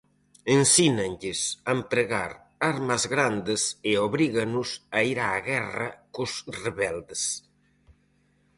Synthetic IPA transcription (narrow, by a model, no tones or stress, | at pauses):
ensinenʎesampɾeɣa̰ɾ | aɾmazɣɾand̪eseoβɾiɣanusaiɾaːɣɛra̰kozreβɛld̪es